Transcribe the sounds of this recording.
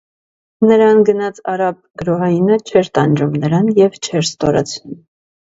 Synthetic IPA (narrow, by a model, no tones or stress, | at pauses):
nəɾɑnɡənɑt͡sʰɑɾɑp̚ɡ̥əɾɔɦɑjinət͡ʃʰɛɾt̪ɑnd͡ʒumnəɾɑnjɛvt͡ʃʰɛɾst̪ɔɾɑ̰t͡sʰnum